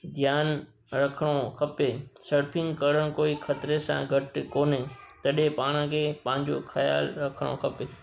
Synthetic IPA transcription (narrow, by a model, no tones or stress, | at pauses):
d̪ʱjaːn | ɾɐkʰɽ̃okʰɐpesɐɾpʰɪ̃ŋɡkɐɽəɽ̃koːikʰɐt̪ɾesã̰ːɡʱɐʈkoːnet̪ɐɗepaːɽ̃ə̃kʰeːpɐ̃ːɪ̃ɲd͡ʑo̰kʰɐja̰ːlɾɐkʰəɽ̃o̰kʰɐpe